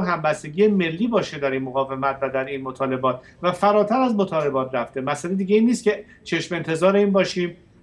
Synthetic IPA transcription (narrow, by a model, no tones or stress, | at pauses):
ɦæmbæst̪e̞ɟiːeme̞lːiːbɒːʃe̞d̪æɾiːnmoɣɒːve̞mæt̪ʰvæd̪æɾiːnmot̪ʰɒːle̞bɒːt̪ʰ | væfæɾɒːt̪ʰæɾæzmot̪ʰɒːle̞bɒːt̪ʰɾæft̪e̞mæsæled̪iːɟe̞iːnːiːst̪̚cʰe̞ | t͡ʃʰe̞ʃme̞nt̪ʰe̞zɒːɾeiːnbɒːʃiːm